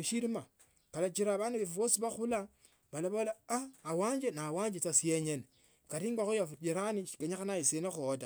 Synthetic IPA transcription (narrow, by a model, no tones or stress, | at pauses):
ʃiɾima | kalat͡ʃiɾaːβanduβefuβosiβaxula | βalaβolaaːwaːɲd͡ʒenawaɲd͡ʒet͡sasijeɲene | katiŋɡaxujafud͡ʒiɾaniʃi̥ɡeɲaxanajisenaxuot̬a